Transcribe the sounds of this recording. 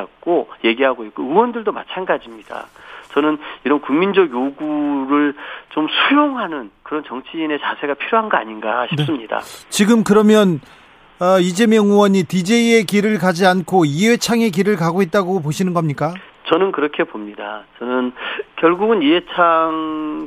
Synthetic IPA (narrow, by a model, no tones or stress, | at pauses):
k͈oje̞ɡiɦaɡoik͈oɯwʌndɯɭdoma̰t͡ɕʰanɡad͡ʑimɲid̥a̰t͡ɕʌnɯniɾʌnkuŋmind͡ʑʌɡjoɡuɾɯɭt͡ɕomsʰujoŋɦanɯnkɯɾʌnt͡ɕʌŋt͡ɕʰiːne̞t͡ɕasʰe̞ɡapʰiɾjoɦanɡʌaɲinɡaɕʰinpsɯmɲida̰t͡ɕiɡɯmkɯɾʌmjʌn | ʌid͡ʑe̞mjʌŋuwʌɲitid͡ʑe̞ie̞kiɾɯɭkad͡ʑiankʰoiɦet͡ɕʰaŋe̞k̬iɾɯɭkaɡoɦet̚t͈aɡopoɕʰinɯnɡʌmɲik͈at͡ɕʌnɯnkɯɾʌkʰe̞pomɲidat͡ɕʌnɯnkjʌɭɡuɡɯniet͡ɕʰaŋ